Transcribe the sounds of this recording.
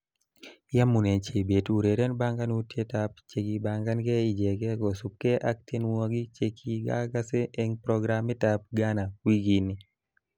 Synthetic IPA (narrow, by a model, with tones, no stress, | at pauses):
ja˦mu˨ne˨nt͡ʃe˨be˨tu˨ɾe˨ɾe˦nba˦ŋɡa˦nu˦tje˦tap̚t͡ʃe˨ɡi˨ba˨ŋɡa˦nɡɛ˦i˨d͡ʒe˨ɡɛ˦ɡɔ˨su˨p̚ke˦ʔa˦k̚te˦nwɔ˦ɡi˦t͡ʃekʰi˦ɡa̰˦ɡa˦se˦ʔe˦ŋpɾɔɡɾamːi˦ta˨p̚ɡa˦na˨wi˦ɡi˨ni˦